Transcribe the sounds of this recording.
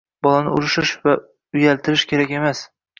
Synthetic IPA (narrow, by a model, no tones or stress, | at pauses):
bɒlˠanɪʊ̰ɾɪʃɪʃva | ʊjalt̪ɪɾɪʃkʲʰe̞ɾakʲe̞mas